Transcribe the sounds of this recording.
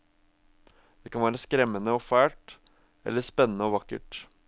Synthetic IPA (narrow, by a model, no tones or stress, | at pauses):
d̪̥ɛkɑnʋæːɾəskɾɛmːənəɔːfæːʈ | ʔɛ̰lːəspɛnːənəɔːʋɑkə̰ʈ